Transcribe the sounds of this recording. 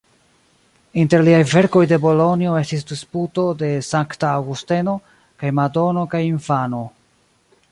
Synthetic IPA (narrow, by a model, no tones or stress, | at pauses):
inte̞ɾliajve̞ɾko̞jde̞bo̞lo̞nioe̞stis̬disputo̞de̞saŋktaːwɡuste̞no̞ | kajmado̞no̞kajiɱfano̞